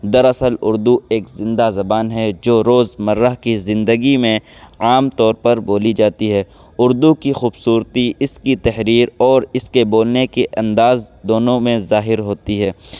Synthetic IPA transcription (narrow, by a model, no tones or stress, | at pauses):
d̪ɐɾɐsəlʊ̰ɾd̪ueːkzɪ̃nd̪azɐbaːnɦɛd͡ʒoːɾoːzmɐɾːəɦkizɪ̃nd̪əɡimẽaːmt̪ɔːɾpɐɾboːlid͡ʒaːt̪iɦɛː | ʊɾd̪ukixuːbsuːɾt̪iɪskit̪ɛɦɾiːɾɔːɾɪskeboːlnekeʔɐ̃nd̪aːzd̪oːnõmẽzaːɦɪɾɦoːt̪iɦɛː